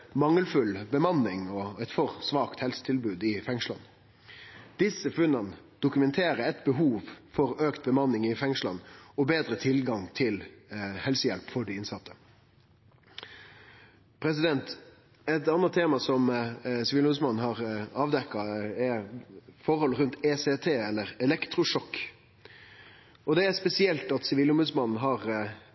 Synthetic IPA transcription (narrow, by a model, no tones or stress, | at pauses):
mɑŋːəlfʉlbəmɑnːɪŋɔæɪt̪fɔʁsʋɑːkt̪hɛlsə̥t̪ʰɪlbʉːd̪ɪfɛŋʂlɑ̰n | d̪̥ɪsːəfʉnːɑn | d̪̥ʊkʉmɛnt̪ʰeːɾəɛt̪bəɦuːʋfɔɾøːkt̪̚bəmɑnːɪŋɪfɛŋʂlɑ̰nɔbeːd̪ɾət̪ʰɪlɡɑŋt̪ʰɪlhɛlsəjɛlpfɔɖɪɪnsɑt̪ʰːə̥ | pʰɾɛsɪd̪ɛnt̪ | ɛt̪ɑnːət̪ʰːeːmɑsɔmsɪʋiːʊmʉːsmɑnn̩ɦɑʁɑːʋd̪ɛkːɑɛ | fɔʁhɔlɾʉnt̪ɛset̪ʰeːɛlːəɾɛlɛkt̪ɾʊʂɔkː | ɔd̪ɛæspɛsɪɛlt̪ɑt̪sɪʋiːlʊmbʉːsmɑnn̩ɦɑʁ